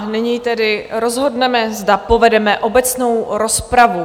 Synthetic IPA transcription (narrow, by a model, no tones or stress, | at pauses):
nɪɲiːt̪ɛdɪɾo̞zɦo̞dnɛmɛzdapo̞vɛdɛmɛʔo̞bɛt͡sno̞wɾo̞spɾavu